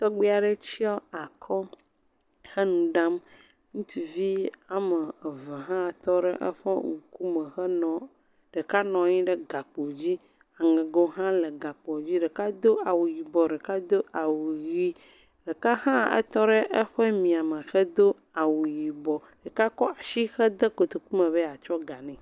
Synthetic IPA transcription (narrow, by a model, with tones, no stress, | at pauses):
t̪ɔ˦ɡ͡bi˦a˨ɖɛ˦t͡ɕi˦ɔ˦a˨kʰɔ˦ | xɛ˦nũ˨ɖa˦m | ŋũ˦t̪i˨vi˦a˨mə˨vɛ˨ɦã˦˨t̪ɔ˦ɖɛ˦ʔɛ̰˦ɸɛ̰˦ŋu˨ku˦mə˨xɛ˦nɔ̃˨ | ɖ̥ɛ˨ka˦nɔ̃˨˦ɲĩ˦ɖɛ˦ɡa˨k͡po˨d͡ʑi˦ | a˨ŋɛ̃˨ɡo˦ɦã˦lə˨ɡa˨k͡pɔ˨d͡ʑi˦ɖɛ˨ka˦d̪o˦a˨wu˨ji˨bɔ˨ɖɛ˨ka˦d̪o˦a˨wu˨ji˦ | ɖe˨ka˦ɦã˦ɛ̰˦t̪ɔ˦ɖɛ˦ʔɛ˦ɸɛ˦mĩ˨a˨mə̃˨xɛ˦d̪o˦ | a˨wu˨ji˨bɔ˨ɖ̥e˨ka˦kɔ˦a˨ʃi˦xɛ˦d̪e˦ko˨t̪o˨ku˦mɛ̃˨βe˦a˨t͡ʃɔ˦ɡa˨nɛ̃˨